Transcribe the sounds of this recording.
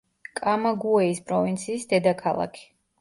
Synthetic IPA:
kʼamaɡuɛispʼɾɔvint̪sʰiːsd̪ɛd̪akʰalˠa̰kʰi̥

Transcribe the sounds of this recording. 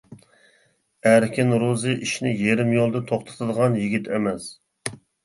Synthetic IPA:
æɾkʲɪnɾuzɨʔiʃnɪjeɾɪmjolˠd̪ɨt̪ʰoχt̪ʰɑ̥t̪ʰɨd̪əʁɑnjiɡʲit̪ʰemɛs

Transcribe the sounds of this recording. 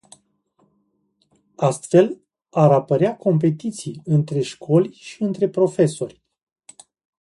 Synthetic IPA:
ast̪fe̞l | aɾapəɾeakʰo̞mp̬e̞t̪it̪sijɨnt̪ɾe̞ʃkʰo̞lʲʃiɨnt̪ɾe̞pɾo̞fe̞so̞rʲ

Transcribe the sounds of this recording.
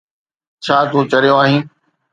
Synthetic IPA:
t͡ɕʰaːt̪ʰuːt͡ɕɐɾijoaːɦĩː

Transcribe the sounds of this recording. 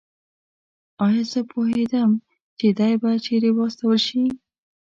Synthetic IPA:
ɑjɑzəpʰoɦed̪əm | t͡ʃed̪ɑjbat͡ʃeɾewɑst̪awəlʃi

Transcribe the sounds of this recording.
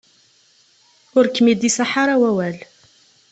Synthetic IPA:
ʊɾkːmid̪isaħaɾˤawæwæl

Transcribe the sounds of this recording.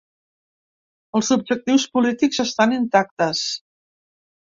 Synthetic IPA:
əlˠzub̚ʒək̚t̪iwspulit̪ikzəst̪anint̪ak̚t̪əs

